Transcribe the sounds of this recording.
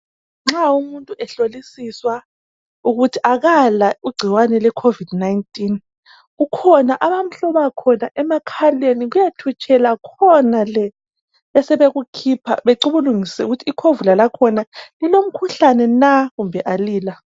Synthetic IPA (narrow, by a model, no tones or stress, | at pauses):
ŋ͡ǁaumuntʼuʔɛɬolisiswa | uɣutʰiʔaɣalaiɡ͡ǀʱiwanɛlwɛkʰovid̥naintʼin | ɣukʰɔnaʔaβam̩ɬɔβakʰɔnaʔɛmakʰaleniɣujatʰut͡ʃʰʼɛlakʰɔnalɛ | ɛsɛβeɣukʰipʰa̰βeǃuβuluŋisɛuɣutʰiːkʰovulalakʰɔnalilom̩kʰuɬanɛnaɣumbʱɛʔaliːla